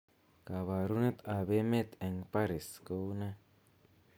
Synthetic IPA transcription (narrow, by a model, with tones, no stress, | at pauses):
ka˨βa˨ɾu˦ne˦t̪a˨βe˦me˦t̪e˨ŋpa˦ɾi˨sko˦wna˦